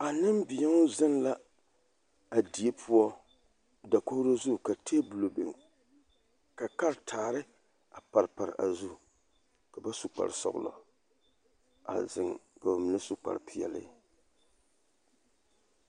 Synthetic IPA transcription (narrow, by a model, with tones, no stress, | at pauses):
a˨nɨ˦mbɪ˨ja˦ŋʊ˦za˦nla˦ | a˨di˨e˦pʰu˦ɔ˦ | da˨ko˦hɾo˦zu˦˨ka˨tʰeː˦bɨ˨lo˨bḛ˨ŋ | ka˨ka˦ɾtʰaː˨ɾɨ˦ | a˨pa˨ɾpa˨ɾɨ̰˨ʔa˨zu˦ | ka˨ba˦su˨k͡pa̰˨ɾsɔ̰˨ɣʊ̰˦lɔ̰˨ | a̰˨zɨ˨ŋka˨ba˨mɨ˨nɨ˦su˦k͡pa̰˨ɾpi˨jɛ̰˨lɨ̰˦